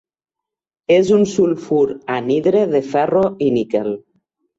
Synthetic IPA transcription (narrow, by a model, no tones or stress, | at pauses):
ezunsulfuɾaniðɾeðefɛroinikel